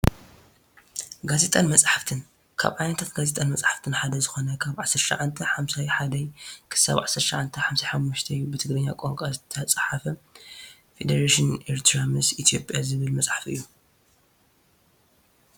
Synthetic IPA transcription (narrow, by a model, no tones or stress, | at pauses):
ɡaze̞t̪ʼanmɐt͡sʼħaft̪ʰɨn | kʰa̰βʕajnɐt̪ʰat̪ɡazet̪ʼanmɐt͡sʼħaft̪ʰɨnħad̪ɐzɨxonɐkʰaβʕasɐɾʃɐ̰ʕant̪ʰɐħamsajħad̪ɐjkʰɨ̥sa̰βʕasɐɾʃɐʕant̪ʰɐħamsajħamːuʃt̪ʰɐjːubɨt̪ʰɨɡɾɐɲːa̰kʼoŋkʼazɨt̪ʰɐt͡sʼħafɐ | fed̪ɐɾaʃɪneɾt̪ʰɾamɨsit̪ʰijo̞pʼjazɨβɨlmɐt͡sʼħafɨ̰jːu